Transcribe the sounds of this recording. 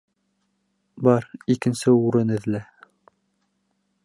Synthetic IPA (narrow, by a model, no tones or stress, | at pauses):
bɑɾikɘ̆nsɘuɾɘnɘ̆ðlæ